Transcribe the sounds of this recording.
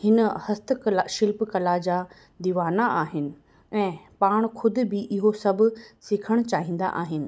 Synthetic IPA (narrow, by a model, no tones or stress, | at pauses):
hɪnəhɐst̪ʰklʃɪlpkɐlad͡ʑaː | d̪iʋaːnaʔaːɦɪnɪ̆ | ɛ̃ːpaːɽ̃kʰʊd̪ɪ̆bɪʔɪɦosɐbʱʊ̆sɪkʰəɽ̃t͡ɕaːɦĩːnd̪a̰ʔaːɦɪnɪ̆